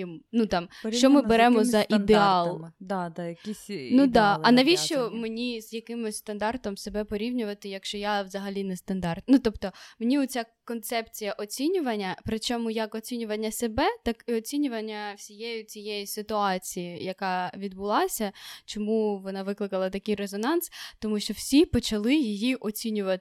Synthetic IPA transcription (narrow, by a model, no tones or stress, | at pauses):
ɪmnut̪ɑmʃt͡ʃɔmɪbeɾɛmɔzɐʔid̪eɑlˠd̪d̪jɐkinud̪ɑɐnɐʋʲiʃt͡ʃɔmenʲizjɐkɪmʊsʲst̪ɐnd̪ɑrt̪ɔmsebɛpɔɾʲiʋnʲʊʋɐt̪ɪjɐkʃt͡ʃɔjaʋzɐɦɐlʲinɛst̪ɐnd̪ɑrt̪̚nut̪ɔpt̪ɔmenʲiʊt͡sʲakɔnt̪sɛpt͡sʲijɐʔɔt͡sʲinʲʊʋɐnʲːɐpɾɪt͡ʃɔmʊjɐkɔt͡sʲinʲʊʋɐnʲːɐsebɛt̪ɑkɪɔt͡sʲinʲʊʋɐnʲːɐwsʲijɛjʊt͡sʲijɛjisɪt̪ʊɑt͡sʲijijɐkɑʋʲid̪bʊlˠɑsʲɐt͡ʃɔmuʋɔnɑʋɪklˠɪkɐlˠɐt̪ɐkɪjrezɔnɑnst̪ɔmuʃt͡ʃɔw̥sʲipɔt͡ʃɐlˠɪjijiʔɔt͡sʲinʲʊʋɐɪ